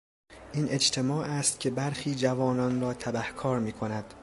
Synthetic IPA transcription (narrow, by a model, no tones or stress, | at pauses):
ʔiːnʔe̞d͡ʒt̪ʰe̞mɒːʔæːst̪̚cʲʰe̞bæɾxiːd͡ʒævɒːnɒːnɾɒːt̪ʰæbæhkʰɒːɾmiːkʰo̞næd̪̥